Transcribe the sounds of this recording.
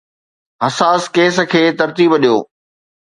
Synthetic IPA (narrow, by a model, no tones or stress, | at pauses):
ɦɐsaːskeːs̆kʰeːt̪ɐɾt̪iːbɗijo̰ː